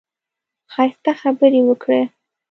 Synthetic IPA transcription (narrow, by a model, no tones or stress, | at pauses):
xɑjst̪axabəɾewəkɽe